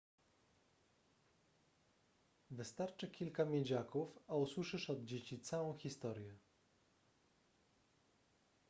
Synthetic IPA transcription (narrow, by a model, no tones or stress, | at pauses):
vɘst̪aɾt͡ʂɘkʲilkamʲjed͡ʑakufauswɘʂɘʂɔd̪̚d͡ʑet͡ɕit̪sawɔ̃w̃xʲist̪ɔɾjɛ